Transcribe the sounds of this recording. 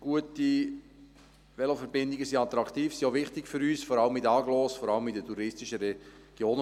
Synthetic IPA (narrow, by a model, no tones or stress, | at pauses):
ɡ̥uəti | ʋɛlofəɾbɪndɪɡəsiɑt̪ɾɑkt̪iːfsioʋɪχtɪkfʏɾyːsfɔɾɑləmidəɑːɡlɔːsfɔɾɑləmidətʰuɾɪstɪʃəɾɛɡ̥joːnə